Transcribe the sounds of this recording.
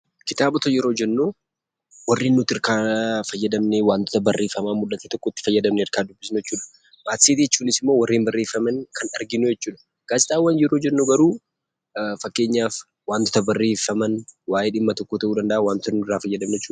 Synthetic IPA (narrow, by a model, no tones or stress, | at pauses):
kɪt̪aːbɔt̪ɔjɛɾo̞ːd͡ʒɛnːu | wɐrːiːnːʊt̪ːɪɾkaːfɐjːɐd̪ɐmnewaːnt̪ɔ̥t̪ɐbɐrːeːfːɐmaːmʊlːɐt̪eːt̪ɔkːɔt̪ːɪ̥fɐjːɐd̪ɐmneɪɾkaːd̪ʊbːɪsnʊjɛt͡ʃːuːᶑɐ̥ | maːt̪seːt̪ijɛt͡ʃːuːnɪsɪmːo̞ːwɐrːeːmbɐrːeːfːɐmɐnkɐnɐɾɡɪnujɛt͡ʃːuːᶑɐ̥ | ɡ̥aːsɪt̪ʼaːwːɐnjɛɾoːd͡ʒɛnːuɡɐɾuː | fɐkːe̞ːɲːaːf | waːnt̪ʊ̥t̪ɐbɐrːeːfːɐmɐnwaːjeːᶑɪmːɐt̪ɔkːot̪ɐʔuːd̪ɐnd̪ɐʔawaːnt̪ʊnːʊɪrːaːfɐjːɐd̪ɐmnɛɛt͡ʃːuːɐ